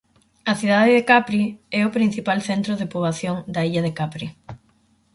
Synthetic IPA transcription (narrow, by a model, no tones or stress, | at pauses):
ɐθiðaðeðekapɾiɛʊpɾin̟θipalθent̪ɾoðepuβaθjoŋd̪aiʎɐðekapɾi